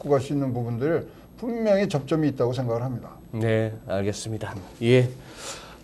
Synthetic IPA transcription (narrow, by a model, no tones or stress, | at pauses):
k͈oɡas͈uinːɯnpubundɯɾɯɭ | pummjʌŋet͡ɕʌp̚t͡ɕ͈ʌmiːt̚t͈aɡosʰe̞ŋɡaɡɯɭɦamɲida | ne̞aɭɡe̞s͈ɯmɲidaje